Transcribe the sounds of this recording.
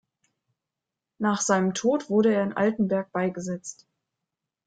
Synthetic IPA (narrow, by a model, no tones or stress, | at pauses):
naːχz̥aɪnəmtʰoːtv̥ʊɐɾəeːɐɪnʔa̰ltn̩bɛɐk̚b̥aɪɡəzɛt͡st